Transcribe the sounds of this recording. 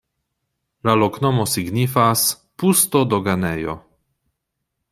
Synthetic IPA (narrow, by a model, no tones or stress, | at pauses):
laloknɔmosiɡnifas | pust̪od̪oɡanɛjo̰